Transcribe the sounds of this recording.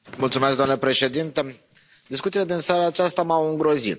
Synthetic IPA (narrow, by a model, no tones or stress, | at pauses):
mult̪sumesk̚d̪amnlepɾe̞ʃe̞d̪int̪e | d̪iskut̪siled̪insaɾaːt͡ʃast̪amawɨŋɡɾo̞zḭt̪̚